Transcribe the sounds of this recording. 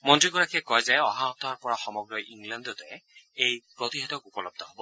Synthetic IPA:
mɔntɹiɡɔɹakʰiɛkɔjzɛɔɦaɔt̪ɔɦɔɹpɔɹaxɔmɔɡɹɔjʔiŋlandɔtɛejpɹɔt̪iɦɛtɔkupɔlɔb̚dʱɔɦobɔ

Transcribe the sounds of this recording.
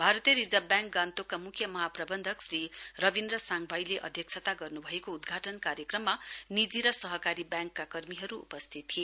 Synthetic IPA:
bʱaɾʌt̪ijʌɾid͡zʌbjãŋk̚ɡãnt̪okːamukʰjʌmʌɦaprʌbʌnd̪ʱʌksrirʌbind̪rʌsaŋbʱajleʔʌ̰d̪ʱjʌk̚t͡sʰʌt̪aɡʌrnubʱʌekoud̪ɡʱaʈʌnkaɾjʌkrʌmːanid͡ziɾʌsʌɦʌkaɾibjãŋkːakʌrmiɦʌɾuṵpʌst̪ʰit̪ːʰie

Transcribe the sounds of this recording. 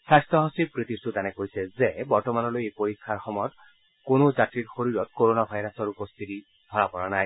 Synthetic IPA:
sajstɔɦasipɹit̪isutanɛkojsɛzebɔɹtɔmanɔlojepoɹikʰːaɹxɔmɔjɔt | konozatɹiɹxoɹiɹɔtkoɹonabʱajɹasɔɹupost̪ʰiti | d̥ʱɔɹapɔɹanaj

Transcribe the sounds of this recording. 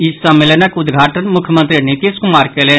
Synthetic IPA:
ɪsɐmːelənəkʊd̪ɡʱaːʈənmʊkʰjəmə̃nt̪ɾinɪt̪iːskʊmaːɾkeːle

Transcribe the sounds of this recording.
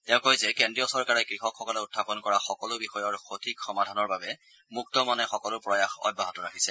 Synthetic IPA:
tɛʊ̃kojzɛkɛndɹijɔsɔɹkaɹɛkɹixɔkxɔkɔlɛʊtʰːapɔnkɔɹaxɔkɔlʊbixɔjɔɹxotʰikxɔmadʱanɔɹbabɛ | muk̚tɔmanɛxɔkɔlʊpɹɔjaxɔ̰baɦɔtɔɹakʰisɛ

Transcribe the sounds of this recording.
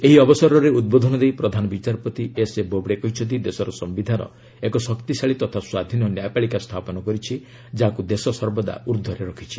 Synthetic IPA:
eɦiɔbɔsɔɾɔɾeud̪̚bod̪ʱɔnɔd̪ejpɾɔd̪ʱanɔbit͡ʃaɾpɔt̪iesebobɽekɔɦit͡ʃʰɔt̪id̪esɔɾɔsɔmbid̪ʱaɾɔ̰ | ekɔsɔkt̪isaɭit̪ɔt̪ʰaswad̪ʱinɔnjajpaɭikast̪ʰapɔnɔkɔɾit͡ʃʰi | d͡ʒakud̪esɔsɔɾbɔd̪a̰uɾd̪ʱɔɾeɾɔkʰit͡ʃʰi̥

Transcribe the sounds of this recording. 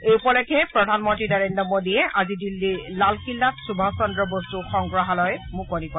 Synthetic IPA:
ejupɔlɛkɛpɹɔdʱanmɔntɹinaɹendɹɔmodiɛʔazidilːilalkilːatsubʱasɔndɹɔbɔstuxɔŋɡɹɔɦalɔjmukonipɔ

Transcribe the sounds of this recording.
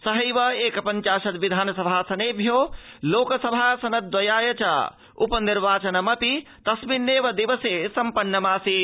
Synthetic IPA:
sɐɦɐjʋɐeːkɐpɐnt͡ʃaːʃɐt̪ʋid̪ʱaːnɐsɐbʱasɐneːbʱjoloːksɐbʱasɐnɐd̪̚d̪ɐjaːjɐt͡ʃa̰ | upəniɾʋaːt͡ʃɐnɐmɐpit̪ɐsmiɾneːʋɐd̪iʋəsesɐmpɐnːɐmaːsi

